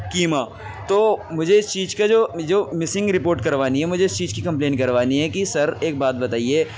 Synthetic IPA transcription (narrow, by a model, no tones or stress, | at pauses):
kiːma | t̪oːmʊd͡ʒʱeɪst͡ʃiːd͡ʒkad͡ʒoːd͡ʒoːmɪsɪ̃ŋɡɾɪpoːɾʈkɐɾʋaːniɦɛmʊd͡ʒʱeɪst͡ʃiːd͡ʒkikɐ̃mplẽːnʈkɐɾʋaːniɦɛkisɐɾeːk̚baːt̪̚bɐt̪aːieː